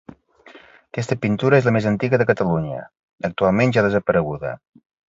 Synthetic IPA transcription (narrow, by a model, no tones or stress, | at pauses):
kɛst̪əpint̪uɾəezləmezənt̪iɣəðəkət̪əluɲə̰ | ək̚t̪ualˠmenʒaðəzəpəɾəɣuðə̰